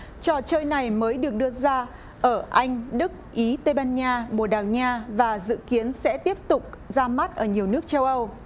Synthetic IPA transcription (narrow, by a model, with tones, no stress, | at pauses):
t͡ɕɔ˨˩t͡ɕəː˧jna˨˩jməː˨˦jɗɨ˨˩ək̚ɗɨ˧əzaː˧ | ʔəː˧˩ʔa˧jŋ̟ɗɨ˦˥k̚ʔi˨˦t̪e˧jɓaː˧nɲaː˧ɓo˨˧˩ɗaː˨˩wɲaː˧vaː˨˩zɨ̰˧˨ki˨˦ənsɛ̰˧˥t̪i˦˥əp̚t̪ʊ˨˩k͡p̚zaː˧ma˦˥t̚ʔəː˧˩ɲi˨˩əwnɨ˦˥ək̚t͡ɕə˧wʔə˧w